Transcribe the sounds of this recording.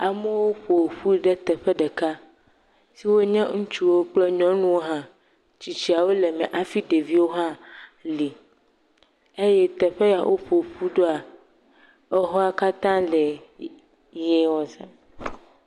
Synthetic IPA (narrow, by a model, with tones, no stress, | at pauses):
a˨mɛ˦wo˦ɸo˨ɸu˦i˨ɖɛ˦t̪ɛ˨ɸɛ˦ɖɛ˨ka˦ | si˦wo˦ɲɛ̃˦ŋũ˦t͡ʃu˦wo˦k͡plɛ˦ɲɔ̃˦nũ˦wo˦ɦã˦ | t͡ɕi˨t͡ɕi˦a˨wo˦lɛ˨mɛ̰̃˨ʔa˦fi˦ɖe˨vi˦wo˦ɦã˦li˨ | e˦jɛ˦t̪ɛ˨ɸe˦ja˨wʔo˦ɸo˨ɸu˦ɖo˦a˨ | ɛ˦ɦɔ˦a˦˨ka˦t̪ã˦lɛ˨ | jɛ˦wɔ˨sɛ̃˦